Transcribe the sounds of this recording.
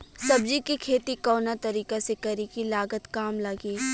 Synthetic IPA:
sɐbd͡ʒikikʰeːt̪ikɔːnat̪ɐɾiːkesekɐɾikilaːɡət̪kaːmlɐɡiː

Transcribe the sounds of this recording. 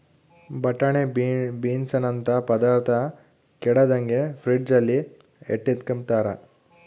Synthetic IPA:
bɐʈːɐɳebiːnsɐnɐnt̪ɐpɐd̪aːɾt̪ʰɐ | kɛɽɐd̪ɐŋɡepʰɾiɖd͡ʒɐlːi | ḛʈːet̪kɐm̚t̪aːɾɐ

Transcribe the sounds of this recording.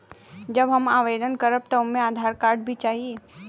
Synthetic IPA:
d͡ʒɐbɦɐmaːʋeːd̪ənkəɾəb̚t̪ɔʊmẽaːd̪ʱaːɾkaːɾɖ̚bʱit͡ʃaːɦie

